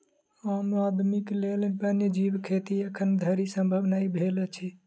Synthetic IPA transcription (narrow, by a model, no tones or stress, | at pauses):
ənuad̪miklelpənjəd͡ʒibkʰet̪iəkʰənd̪ʱəɾisəmbʱəbnaibʱelət͡ʃʰɛ